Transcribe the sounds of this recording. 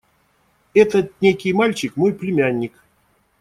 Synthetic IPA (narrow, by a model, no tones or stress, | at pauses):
ɛt̪ət̪̚nʲekʲɪjmalʲt͡ɕɪkmojplʲɪmʲanʲːɪk